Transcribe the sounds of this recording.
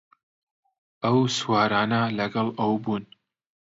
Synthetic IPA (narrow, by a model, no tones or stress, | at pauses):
ɐwswɑːɾaːnɐlɐɡɐlˠɐwbuːn